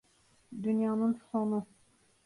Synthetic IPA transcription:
d̪ynjɑnɯnsonu

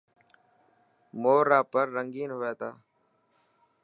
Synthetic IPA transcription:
moːɾaːpəɾːəŋɡiːnɦoeːt̪aː

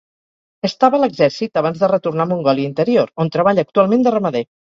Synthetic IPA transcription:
əst̪aβələɡzɛɾsit̪əβanzðərət̪urnamuŋɡɔlˠiint̪əɾioɾont̪ɾəβaʎəːk̚t̪ualˠmend̪ərəməðe

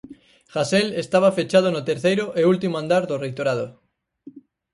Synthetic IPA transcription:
xaselest̪aβ̞afet͡ʃað̞onot̪eɾθejɾoʔeult̪imoãnd̪aɾðorejt̪oɾað̞o

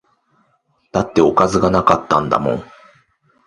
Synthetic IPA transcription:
t̪at̪ːe̞o̞kazɨɡanakat̪ːãnd̪a̰mõ̞̰ŋ

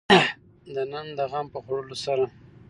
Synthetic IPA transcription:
d̪ənand̪əɣampəxaɽəlosaɾa

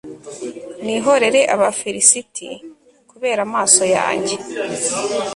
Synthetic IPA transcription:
niɦo̞ɾe̞ɾe̞ʔaβafiɾisitʰḭ | kuβe̞ːɾamaːso̞ja̰ːɲɟe̞

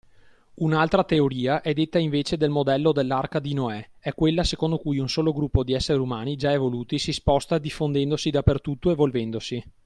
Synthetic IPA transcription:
unalt̪ɾat̪eoɾiːaʔɛd̪et̪ːaiɱveːt͡ʃed̪elmod̪ɛlːod̪elːarkad̪inoɛɛkːwelːasekond̪okujunsoːloɡɾupːod̪iɛsːeɾiumaːnid͡ʒaevoluːt̪isispɔst̪ad̪ifːond̪ɛnd̪osid̪apːert̪ut̪ːoevolvɛnd̪osi

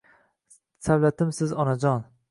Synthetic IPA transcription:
sawlat̪ʰɪmsɪzɒnad͡ʒɒn

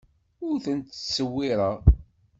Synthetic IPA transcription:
ʊɾθənt̪səwːiɾˤɑ

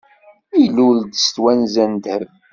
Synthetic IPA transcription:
iluld̪st̪wænzænd̪həv

